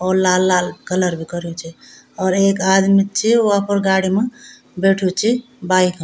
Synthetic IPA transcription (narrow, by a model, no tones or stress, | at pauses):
ɔːɾlalalkələɾbʱikɔɾot͡ʃʰi | ɔːɾekad̪mit͡ʃʰioapəɾɡaɽime | beʈʰut͡ʃʰi | baik